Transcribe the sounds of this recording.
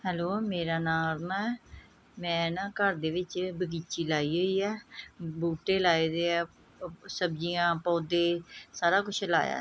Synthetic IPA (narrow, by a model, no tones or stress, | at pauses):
hɛːloːmeːɾaːnaːlnaːɛː | mɛ̃ːnãːkəɾd̪eːʋɪt͡ʃbəɡiːt͡ʃiːlaːiːɦoːiːɛːbuːʈeːlaːiːd̪eːɛː | səbd͡ʒijãːpɔːd̪eːsaːɾaːkʊt͡ʃʰla̰ːja̰ː